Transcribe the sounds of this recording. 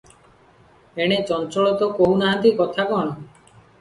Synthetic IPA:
eɽ̃et͡ʃɔnt͡ʃɔɭɔt̪ɔkoɦunaɦat̪ikɔt̪ʰakɔɳ̃ɔ

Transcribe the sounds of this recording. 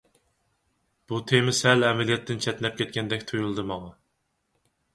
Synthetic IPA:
b̥ut̪ʰemɪsɛlɛmɛlijɛt̪ʰːɪnt͡ʃʰɛt̪nɛp̚kʲʰɛt̪̚kʲɛnd̪ɛkʲt̪ʰujulˠɨd̪ɨmɑʁɑ

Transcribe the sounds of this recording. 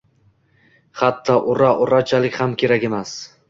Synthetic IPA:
χat̪ʰːɒʔʊɾaʔʊɾat͡ʃʰalɪkʲhamkʲʰe̞ɾakʲemas

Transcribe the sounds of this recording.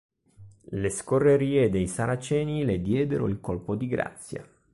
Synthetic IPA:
leskorːeɾiːed̪ejsaɾat͡ʃɛːniled̪jɛːd̪eɾo̰ilkolpod̪iɡɾa̰t̪sːja̰

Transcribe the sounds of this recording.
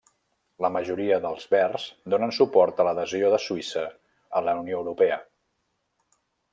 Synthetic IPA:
ləməʒuɾiəðəlˠzβɛrzd̪onənsupɔɾt̪ələðəzioðəsuisəː | ləunioəwɾupɛə

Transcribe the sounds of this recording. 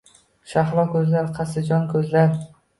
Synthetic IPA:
ʃaχlˠɒkʲʰɵzlaɾqʰɑsɪd͡ʒɒnkʲʰɵzlaɾ

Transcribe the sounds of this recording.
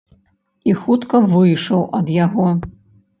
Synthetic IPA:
ixut̪kɐvɨjʂɐwʔɐd̪jaɣɔ

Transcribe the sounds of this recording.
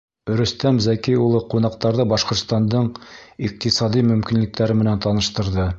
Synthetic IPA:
ɵ̆ɾɵ̆st̪æmzækijulˠɤqunɑq̚t̪ɑɾðɤbɑʃqŏɾt̪st̪ɑnd̪ɤɴiq̚t̪isɑd̪imɵ̆mkinlɘ̆k̚t̪æɾɘmɘ̆nænt̪ɑnɤ̆ʃt̪ɤ̆ɾðɤ

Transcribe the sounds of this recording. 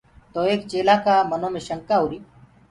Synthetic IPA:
t̪oːeːkt͡ʃeːlaːkaːmənõːmẽːʃəŋkaːɦuɾiː

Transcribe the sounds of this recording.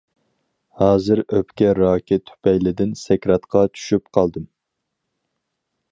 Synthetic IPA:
hɑːzɨɾøpkʲɛɾɑːkʲɪt̪ʰy̥pɛjlɪd̪ɪnsɛkʲɾɑt̪qʰɑt͡ʃʰy̥ʃyp̚qʰɑlˠd̪ɨm

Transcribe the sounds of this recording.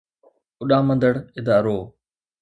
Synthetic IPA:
ʊɗãːmə̃nd̪əɽɪd̪aːɾoː

